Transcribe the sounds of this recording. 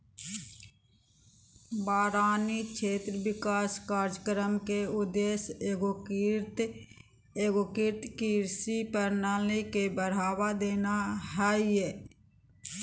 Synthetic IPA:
baːɾaːnikʰeːt̪ɾəʋɪkaːskaːɾd͡ʒəkɾəmkeʊd̪eːseɡt̪ | eɡokɪɾt̪kiɾsipəɾnaːlekebəɽ̤aːwad̪eːnaɦaːiɛː

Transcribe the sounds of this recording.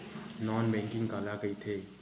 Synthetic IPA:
nɔːnbɛ̃ːŋkɪ̃ŋkaːlaɡəit̪ʰeː

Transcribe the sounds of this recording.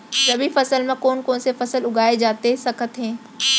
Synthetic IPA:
d͡ʒɐbʱifɐsəlmẽkoːnkoːnsefɐsəlʊɡʱaːed͡ʒaːt̪esɐkʰət̪ɦɛ̃ː

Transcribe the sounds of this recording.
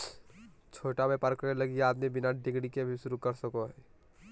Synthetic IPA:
t͡ʃʰoːʈamepəɾkəɾeləɡiaːd̪mibɪnaʈd̪ikɽikebʱisʊɾukəɾsəkoɦɛː

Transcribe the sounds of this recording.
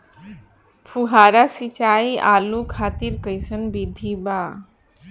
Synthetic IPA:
pʰuɦaɾasit͡ʃaːiʔaːlũkʰaːt̪iɾkəjsənbid̪ʱiba

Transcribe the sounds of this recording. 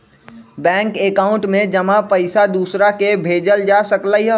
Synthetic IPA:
bɛ̃ŋkekaʊ̃ɳʈmẽd͡ʒəmapəɪsad̪uːsɾakebʱeːd͡ʒəld͡ʒasəklaiɦ

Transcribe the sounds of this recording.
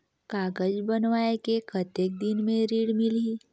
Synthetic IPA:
kaːɡəd͡ʒbənʋaːekekʰət̪eːk̚d̪ɪnmẽɾiːɽmɪli

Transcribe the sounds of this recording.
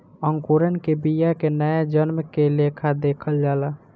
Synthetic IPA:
əŋkuɾənkebijakenəjad͡ʒənmkelekʰad̪eːkʰəld͡ʒaːla

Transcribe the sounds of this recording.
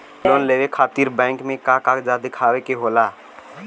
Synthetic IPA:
loːnleːʋekʰaːt̪iːɾbɛ̃ːɪŋkmẽkakakd͡ʒad̪ɪkʰaːwekeɦoːlaː

